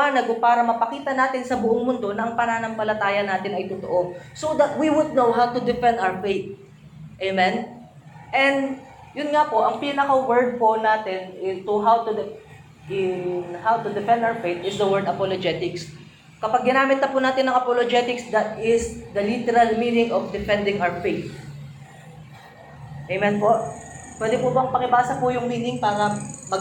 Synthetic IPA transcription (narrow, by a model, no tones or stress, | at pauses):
aːnɐɡʊpaːɾɐmɐpɐkiːt̪ɐnaːt̪ɪnsɐbʊʔoŋmʊnd̪o̞nɐʔɐŋpɐnaːnɐmpɐlɐt̪aːjɐnaːt̪ɪnɐjt̪ʊt̪o̰ʔo̞sod̪ɐt̪̚wiwʊd̪̚nowɦawt̪ʊd̪ɪfɛnd̪awfejt̪̚ | ʔemɛn | ʔɛnd̪ | jʊnŋapo̞ʔɐŋpiːnɐkɐwɛɹd̪̚ponaːt̪ɛnɪt̪ʊɦawt̪u | ɪnhawt̪ʊd̪ɛfɛ̃nd̪awfejt̪ʔɪsd̪ɐwɛɹd̪ɐpolod͡ʒɛt̪ɪks | kɐpɐɡ̚ːɪnaːmɪt̪nɐpʊnaːt̪ɪnːɐŋʔɐpolod͡ʒɛt̪ɪksd̪ɐt̪̚ɪsd̪ɐlit̪ɛɾɐlmiːnɪŋofd̪ɪfɛnd̪ɪŋʔawɹfejt̪̚ | ʔejmɛnpoʔpwɛːd̪ɪpʊbɐɐŋpɐkɪbaːsɐpʊjʊŋmiːnɪŋpaːɾɐmɐ